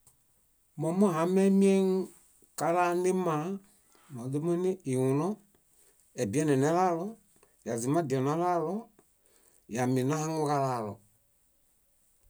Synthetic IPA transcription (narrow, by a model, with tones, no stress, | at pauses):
mɔ̃˨˦mɔ̃˦˨ɦã˨˦mɛ̃˦mĩ˦ɛ̃˦ŋ˦ | ka˧laː˦n˦de˦mã˨˦ | mɔ̃˨de˦me˦nĩ˦i˨wũ˨nɔ̃˦ | ɛ˨bi˦ɛ˦nɛ̃˨nɛ̃˨˦laː˦lɔ˦ | ja˨zi˨˦mã˦˨di˨ɔ˨nã˨˦laː˦lɔ˦ | ja˨mĩ˨nã˦hã˦ŋu˧ka˧laː˨lɔ˨